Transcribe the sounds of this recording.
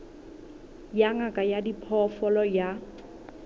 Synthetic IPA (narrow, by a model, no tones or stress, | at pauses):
jaŋakʼajadipʰɔfɔlɔja